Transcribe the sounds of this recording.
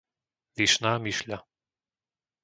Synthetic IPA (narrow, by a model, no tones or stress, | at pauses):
viʃnamiʃlʲa